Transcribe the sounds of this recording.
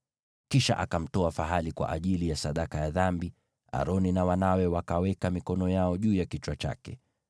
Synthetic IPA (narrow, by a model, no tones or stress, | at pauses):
kiʃa̰ʔakam̩tɔafaɦalikwa̰ʔaʄilijasaɗakajaðambi | a̰ɾɔninawanawɛwakawɛkamikɔnɔjaɔʄuːjakit͡ʃwat͡ʃa̰kɛ̰